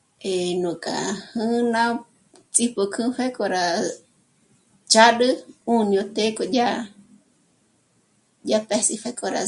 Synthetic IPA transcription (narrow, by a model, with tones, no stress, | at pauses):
e˨nũ˨kʼa̰˨hɨ˦nã˧ | t͡sʼi˧po˧kʰɨ̃˦fe˦ko˧ɾa˨ | t͡ʃa˦ɗɨ˦ũ˧nĩ˧õ˧t̪e˦ko˧d͡ʒa˦ | d͡ʒa˧pe˦si˧fa˧kʼo˧ɾa̰